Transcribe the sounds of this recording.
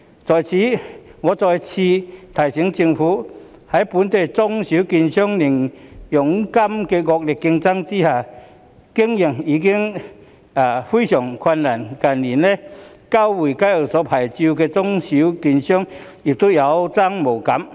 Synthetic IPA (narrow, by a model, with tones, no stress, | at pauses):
t͡sɔ˨˩jt͡ɕʰi˧ŋɔ˧˦t͡sɔ˧jt͡ɕʰi˧t̪ʰa˨˩jɕi˨˧˥ŋt͡ɕi˧ŋfu˧˦ | ha˨˦jpu˨˧˦nt̪e˨˩jt͡sʊ˧ŋɕi˨˥ki˧nɕjɔ˥ŋni˨˩ŋjʊ˨˩ŋka˦˥mke˧ɡɔ˧k̚li˨˩kːi˧ŋt͡sa˦˥ŋt͡ɕi˦˥ha˧˩ | ki˥ŋji˧˩ŋi˧ki˥ŋ | a˨˧˩fu˥˦ɕjɔ˨˩ŋkʰwa˧nːa˨˩nka˨nli˨˩nle˧˦ | ka˥˧wwi˨˩ka˧˥jə˨˩sɔ˨˧˦pʰa˨˩jt͡ɕi˧wke˧t͡sʊ˥ŋɕi˨˦wki˧nɕjɔ˥ŋ | i˨˩k̚t̪u˦˥ja˨˧˦wt͡sa˥˩ŋmo˨˩wka˨˦m